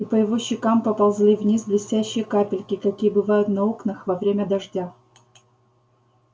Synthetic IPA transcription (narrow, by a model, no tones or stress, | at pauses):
ipəjɪvoɕːɪkampəpɐlˠzlʲivnʲisblʲɪsʲtʲæɕːɪjəkapʲɪlʲkʲɪkɐkʲijəbɨvajʊt̪nɐoknɨxvɐvɾʲemʲəd̪ɐʐdʲa